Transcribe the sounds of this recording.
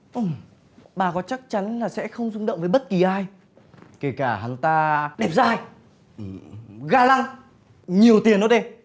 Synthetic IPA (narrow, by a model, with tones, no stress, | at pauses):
ʔɨ˨˧˩m | ɓaː˨˩kɔ˨˦t͡ɕa˦˥k̚t͡ɕa˨˦nlaː˨˩sɛ̰˧˥xə˧wŋ͡mzʊ˧ŋ͡mɗə̰˧˨wŋ͡mvəː˨˦jɓə˦˥t̚ki˨˩ʔaː˧j | ke˧˩kaː˧˩ha˨˩ŋt̪aː˧ɗɛ˨˧˩p̚zaː˧˩j | ʔɣaː˧laː˧ŋ | ɲi˨˩əwt̪i˨˩ənːɔ˨˦ɗe˧